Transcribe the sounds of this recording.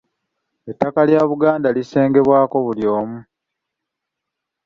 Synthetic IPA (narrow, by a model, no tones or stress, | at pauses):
e̞tːakaljaːβuɡaːndalise̞ːŋɡe̞βwaːko̞βuljo̞ːmu